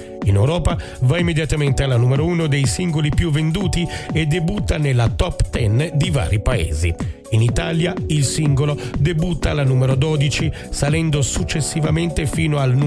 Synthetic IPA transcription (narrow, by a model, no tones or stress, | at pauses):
inewɾɔːpa | vaimːed̪jat̪ament̪ealanuːmeɾouːnod̪ejsiŋɡolipjuvːend̪uːt̪ied̪ːebut̪ːanelat̪ɔpt̪ɛnd̪iva̰ːɾipaḛːzḭ | init̪aːljailsiŋɡolod̪ebut̪ːalanuːmeɾod̪ɔːd̪it͡ʃi | salɛnd̪osut͡ʃːesːivament̪efiːnoaln